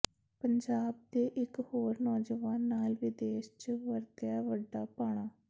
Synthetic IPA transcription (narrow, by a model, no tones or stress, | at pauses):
pəɲd͡ʒaːb̚d̪eːʔɪkhoːɾnɔːd͡ʒəʋaːnːaːlʋiːd̪eːʃt͡ʃʋəɾd̪jaːʋəɖːaːpaːɽ̃aː